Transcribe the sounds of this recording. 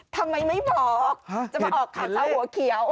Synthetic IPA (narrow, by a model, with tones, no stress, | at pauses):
t̪ʰa˧mha˧jma˧˥jbɔ˨˩k̚t͡ɕa˨˩ma˨˧˩ʔɔː˨˩k̚kʰaː˨˩˦ɗa˧whu˨˩˦əkʰi˨˩˦əw